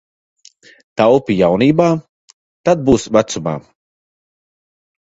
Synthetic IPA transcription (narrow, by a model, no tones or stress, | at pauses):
t̪awpijawniːbaː | t̪ad̪̚buːsvat̪suma̰ː